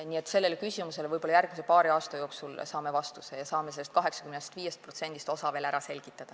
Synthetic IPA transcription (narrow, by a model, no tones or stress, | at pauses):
niet̪ːˑse̞lːe̞lkysʲimuse̞lvɤjbolɑjærɡ̚mise̞pɑːɾiɑːst̪ɑjo̞ːksulsɑːme̞vɑst̪usejɑsɑːmeselːest̪̚kɑɦe̞ksɑ̥kymnest̪viːje̞st̪̚pro̞t̪se̞nʲd̪̥ist̪o̞sɑve̞ːlæɾɑse̞lʲɡ̥it̪ːˑɑd̪̥ɑ